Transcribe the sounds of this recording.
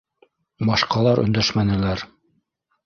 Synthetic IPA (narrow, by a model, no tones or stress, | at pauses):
bɑʃqɑlˠɑɾɵ̰̆nd̪æʃmænɘ̆læɾ